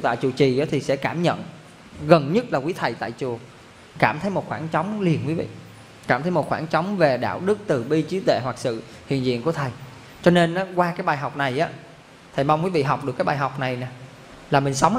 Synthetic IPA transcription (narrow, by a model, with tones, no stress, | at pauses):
t̪a̰ː˧˨jt͡ɕu˨˧˩t͡ɕi˨˩ʔaː˨˦t̪ʰi˨˩sɛ̰˧˥kaː˧˩mɲə̰˧˨n | ɣə˨˩nɲɨ˦˥t̚laː˨˩kwi˨˦t̪ʰə˨˩jt̪a̰ː˧˨jt͡ɕu˨˩ə | kaː˧˩mt̪ʰə˨˦jmo˨˩t̚xwaː˧˩nt͡ɕɔ˨˦wŋ͡mli˨˩ənkwi˨˦vḭ˧˨ | kaː˧˩mt̪ʰə˨˦jmo˨t̚xwaː˧˩nt͡ɕɔ˨˦wŋ͡mve˨˩ɗa̰ː˧˨wɗɨ˦˥k̚t̪ɨ˨˩ɓi˧t͡ɕi˨˦t̪ḛ˧˨wa˨˩k̚sɨ̰˧˨ | hḭ˧˨ənzḭ˧˨ənku˧˩ət̪ʰə˨˩j | t͡ɕɔ˧ne˧nʔaː˨˦kwaː˧kaː˨˦jɓaː˧˩jɦa˨˩wk͡p̚na˨˩jʔaː˨˦ | t̪ʰə˨˩jma˧wŋ͡mkwi˨˦vḭ˧˨ɦa˨˩wk͡p̚ɗkaː˨˦jɓaː˧jɦa˨˩wk͡p̚na˨˩jnɛ˨˩ | laː˨˩mï˨˩ŋ̟sa˨˦wŋ͡m